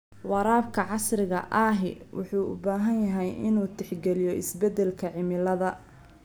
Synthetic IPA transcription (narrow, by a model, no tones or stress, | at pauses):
wɑɾaːbkʰɐʕɑsrɪɣɐ̰ʔaːɦɪwʔʊ̰ħuːʊ̰baːɦɐnjɐɦɛjɪnuːt̪ʰɪħɡɛlɪjɔʔɪ̰sbɛd̪ɛlkʰɐʕɪmɪlɐðɐ